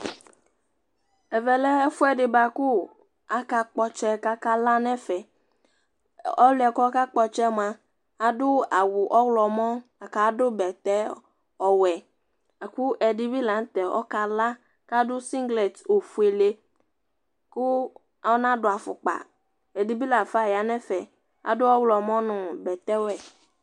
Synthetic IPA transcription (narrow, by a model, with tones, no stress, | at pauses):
ɛ˨vɛ˨lɛ˦ɛ˦fʊ˦ɛ˨dɪ˨ba˨ku˦ | a˨ka˨k͡pɔ˦t͡ʃɛ˦ka˦ka˦la˦nɛ˦fɛ˨ | ɔ˦lɛ˨kɔ˦ɔ˦ka˦k͡pɔ˨t͡ʃɛ˦mã˨ | a˨dʊ˦a˨wu˨ʔɔ˦ɣlɔ˨mɔ̃˦a˨ka˨˦dʊ˦bɛ˨t̪ɛ˦ | ɔ˨wɛ˨ | a˨ku˦ʔɛ˨di˦bi˦la˨n˦t̪ɛ˨ɔ̰˦ka˦la˦ | ka˦dʊ˦si˦ŋɡlɛ˨to˨fu˨˦e˨le˦ | kʊ˦ | a˨˦nã˦dʊ˨˦a˨fʊ̰˨k͡pa̰˨ | ɛ˨di˨bi˦la˨fa˦˨ja˨nɛ̃˦fɛ˨ | a̰˨dʊ˦ɔ˦wlɔ˨mɔ̃˦nʊ̃˨bɛ˨t̪ɛ˦wɛ˨